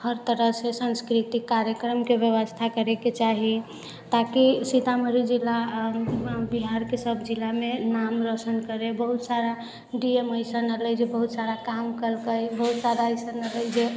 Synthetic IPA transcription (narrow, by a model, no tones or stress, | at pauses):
həɾt̪əɾəɦsesə̃nskɾit̪ikːaɾjəkɾəmkeʋjəʋəst̪ʰakəɾeket͡ʃaɦi | t̪akisit̪aməɾid͡ʒilːa | biɦaɾkesəbʱd͡ʒilamenamɾəsənkəɾebəɦut̪saɾa | ɖieməɪsənələd͡ʒebəɦut̪saɾakamkəlkəjbəɦut̪sad̪aəjsənələjd͡ʒe